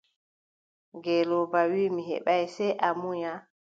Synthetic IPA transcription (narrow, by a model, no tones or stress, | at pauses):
ɡɛlobawiːmiɦɛ̰ɓajsɛjʔamuɲa